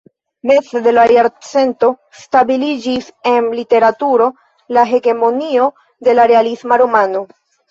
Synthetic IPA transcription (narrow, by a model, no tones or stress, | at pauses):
me̞t͡sede̞laɾeaɾt͡se̞nto̞ | stabilid͡ʒise̞nlite̞ɾatuɾo̞ | laɦe̞ɡe̞mo̞nio̞ | de̞laɾe̞alismaɾomano̞